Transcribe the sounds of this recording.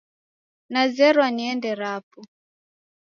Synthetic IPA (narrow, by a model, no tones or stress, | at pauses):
nazɛɾwaniɛndɛɾapɔ